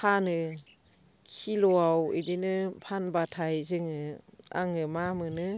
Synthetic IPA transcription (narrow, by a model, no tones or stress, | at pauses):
kʰanɯ | kʰilɔawɯ̰dinɯpʰanbatʰajzɯŋɯa̰ŋɯmamɯnɯ